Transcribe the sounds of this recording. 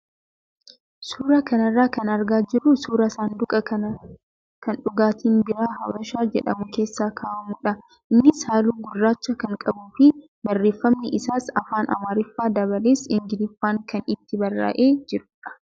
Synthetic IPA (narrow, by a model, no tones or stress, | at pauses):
suːɾɐkɐnɐrːaːkɐnɐɾɡaːd͡ʒɪɾːʊsuːɾɐsaːnd̪ʊkʼɐkɐɐ | kɐnᶑʊɡaːt̪ʰiːnbɪɾaːhɐwɐʃaːd͡ʒɛᶑɐmʊke̞ːsːaːkʰaːʔɐmʊᶑɐ | ʔɪnːɪshaːluːɡʊrːaːt͡ʃːɐkɐŋkʼɐbuːfɪ | bɐrːe̞ːfːɐmnɪʔɪsaːsɐfaːnʔɐ̰maːɾɪfːaːd̪ɐbɐleːsɪŋɡɪlɪfːaːŋkɐnɪt̪ːɪbɐrːa̰ːʔeːd͡ʒɪɾʊːᶑɐ̥